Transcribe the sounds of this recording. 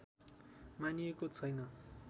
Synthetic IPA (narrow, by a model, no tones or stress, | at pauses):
maniekot͡sʰʌjnʌ